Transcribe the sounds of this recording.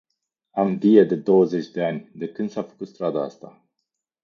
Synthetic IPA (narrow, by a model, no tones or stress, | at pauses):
amvijed̪e̞d̪o̞wəze̞t͡ʃʲd̪e̞anʲd̪e̞kɨnd̪safə̥kut̪st̪ɾad̪aa̰st̪a̰